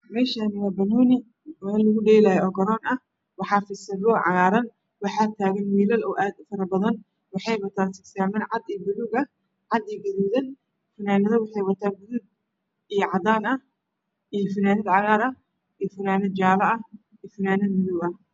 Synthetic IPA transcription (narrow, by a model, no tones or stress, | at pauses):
mɛːʃaːnɪwaːbɐnɔːnɪ | mɛlːɐɣʊɖɛjlajɛɔːɡɐɾɔːnɐ | wɑħɑːfɪsɐðɔʕɑ̰ɣaːɾɐn | wɑħɑːt̪ʰaːɣɐnwiːlɐlɔːʔaːd̪ʊfɐɾɐbɐðɐn | wɑħɑjwɐt̪ʰaːnsɪksaːmɛːnʕɑd̪ijɔbʊlʊɣɐ | ʕɑd̪iɡɐðuːðɐn | fɐnaːnɐðɐwɑħɑjwɐt̪ʰaːnbʊðʊɡ̚ | ijɔʕɑd̪aːnɐh | ijɞfɐnaːnɪd̪ʕɑɣaːɾɐ | ijfɐnaːnɪd͡ʒaːlɐɐ | ijfɪnaːnɐmʊðʊɡɐh